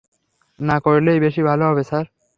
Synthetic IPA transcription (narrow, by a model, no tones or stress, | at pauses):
nakoɹilejbeʃibʱaloɦɔbesaɾ